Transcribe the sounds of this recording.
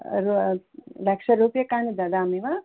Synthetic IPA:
ɾulɐkʂɐɾuːpjɐkaːnid̪ɐd̪aːmiʋa

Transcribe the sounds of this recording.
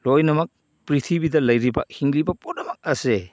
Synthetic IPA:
lojnɐmɐk̚ | pɾitʰibidɐlɐjɾibɐ̰hiŋlibɐponɐmɐk̚ɐse

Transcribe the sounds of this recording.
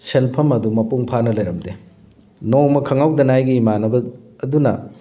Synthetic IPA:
senpʰɐmɐdumɐpuŋpʰanɐlɐjɾɐmde | nokmɐkʰɐŋawdɐnajɡiːmanɐbɐːdunɐ

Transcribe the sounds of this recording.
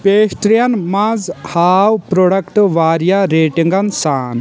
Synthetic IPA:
peːsʈɾijɐnmɐzhaːwpɾoːɽɐkʈʋaːɾjaɾeːʈiŋɡɐnsaːn

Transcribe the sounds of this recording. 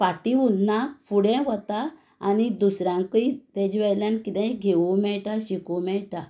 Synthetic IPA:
paʈiunnakfuɽɛ̃ʋɔt̪aː | nid̪usɾãŋkəit̪ɛ̃d͡ʑʋɛjljãnkit̪ɛ̃ĩɡʱeʋumɛɭʈaɕikumɛɭʈa

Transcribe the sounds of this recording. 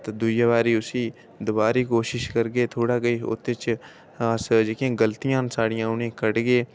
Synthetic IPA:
t̪d̪ʊjaːβaːɾiːʊsiː | d̪ʊbaːɾiːkoːʃɪʃkəɾɡeːt̪ʰoːɽaːɡəiːʊ̰t̪ːet͡ʃː | sd͡ʒekijãːɡəlt̪ijãːnsaːɽijãːʊnẽːkəɽɡeː

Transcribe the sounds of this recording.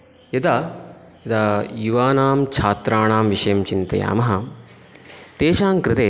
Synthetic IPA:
jɐd̪a | jɐd̪aːjuʋaːnaːmt͡ʃʰaːt̪ɾaːɳaːmʋiʃɐjɐmt͡ʃint̪ɐ̰ja̰ːmɐɦɐ | t̪eːʃaːŋkɾɪt̪eː

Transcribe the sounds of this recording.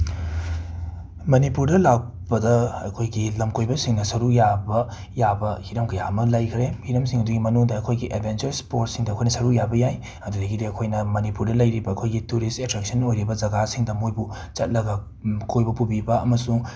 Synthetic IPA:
mɐnipuɾdɐlak̚ | bɐdɐɐ̰kʰojɡilɐmkojbɐsiŋnɐsɐɾujabɐ | jabɐhiɾɐmkʰɐjamɐlɐjkʰɾehiɾɐmsiŋhɐduɡimɐnuŋdɐɐkʰojɡiʔebʰʱent͡ʃɐɾspoɾt̚siŋdɐkʰojnɐsɐɾujabɐjaj | ɐdudɐɡidiɐkʰojnɐmɐnipuɾdɐlɐjɾibɐːkʰojɡituɾistetɾek̚sɐnojɾibɐd͡ʒɐɡasiŋdɐmojbu | t͡ʃɐt̚lɐɡɐ | kʰojbɐpubibɐɐmɐsuŋ

